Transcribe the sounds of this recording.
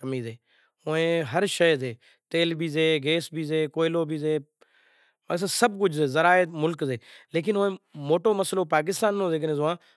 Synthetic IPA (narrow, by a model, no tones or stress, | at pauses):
kəmiːzeː | ʊẽːɦəɾʃəjzeː | t̪eːlbʱiːzeːɡeːsbʱiːzeːkoːɪloːbʱiːzeː | aːs̬əsəb̚k̬ʊd͡ʒʱseːzəɾaːet̪mʊlkzeːleːk̬ɪnoẽːmoːʈoːməsloːpaːk̬ɪst̪aːnːõːzeːknẽːzʊʋãː